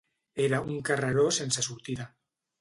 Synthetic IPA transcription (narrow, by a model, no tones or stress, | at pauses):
eɾauŋkaraɾosensasuɾt̪iða